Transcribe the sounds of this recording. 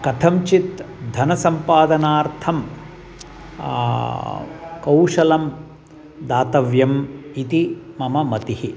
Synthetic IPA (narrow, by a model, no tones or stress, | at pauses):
kɐt̪ʰɐmt͡ʃit̪d̪ʱɐnɐsɐmpaːd̪ɐnaːɾt̪ʰɐm | kɐwʂɐlɐm | d̪aːt̪ɐʋjɐmit̪i | mɐmɐmɐt̪ihi